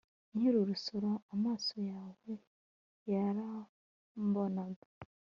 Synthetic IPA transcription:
ɲiɾuɾusoɾoamaːsojaːwe | jaɾa | mbonaɡa

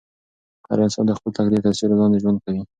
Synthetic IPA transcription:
ka̰ɾansɑ̰nd̪əxpəlt̪akd̪et̪asiɾlɑnd̪eʒwand̪̚kawi

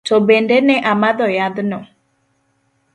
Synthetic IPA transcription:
tɔbɛndɛnɛʔamaðɔjaðʊnɔ

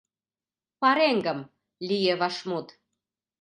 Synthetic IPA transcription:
pɑɾeŋɡə̆m | lʲijeβɑʃmut̪

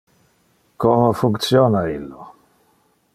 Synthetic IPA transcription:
komofuŋkt̪sjoːnailːo

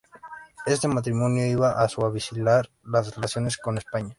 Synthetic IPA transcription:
est̪emat̪ɾimõnjoiβaʔaswaβisilaɾ | lasrelaθjo̞nesko̞nespaɲa

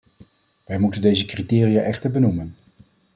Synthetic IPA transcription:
ʋɛjmutəndejzəkritɪːrijaːʔɛχtəɹbənumən

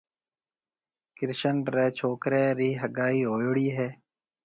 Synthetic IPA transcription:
kɪɾʃənɾeːt͡ʃʰoːkɾeːɾiːɦəɡaːiːɦoːjɽiːɦɛː

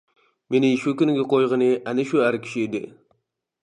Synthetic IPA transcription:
menɪʃukʲynɡʲɛqʰojʁənɪʔænɪʃuhæɾkʲʰi̥ʃied̪ɪ̰

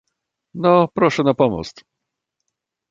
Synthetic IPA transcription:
nɔpɾɔʂɛnapɔmɔ̰st̪

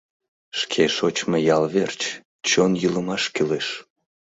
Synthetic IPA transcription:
ʃkʰeʃot͡ɕmejɑlβert͡ɕ | t͡ɕonjyləmɑʃkyleʃ

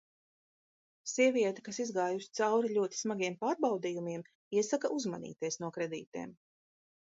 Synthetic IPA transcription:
siɛvʲiɛt̪ḁkasizɡaːjusi̥t̪sawɾilʲuɔt̪i̥smaɡiɛmpaːɾbawd̪iːjumiɛm | iɛsakaʔuzmanḭːt̪iɛsnuɔkɾed̪ḭːt̪ḭːm

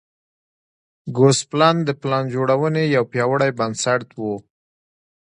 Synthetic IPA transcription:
ɡosplɑnd̪əplɑnd͡ʒoɽawənejawpjɑwəɽajbansaɾt̪wu

